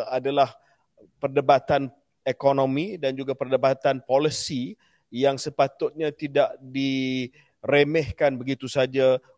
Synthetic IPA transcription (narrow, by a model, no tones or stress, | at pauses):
adalah | pərdəbat̪an | ekonõmĩdand͡ʒuɡapərdəbat̪anpoləsi | jaŋsəpat̪ʊt̪̚ɲãt̪idaʔdi | remɛhkanbəɡit̪usad͡ʒa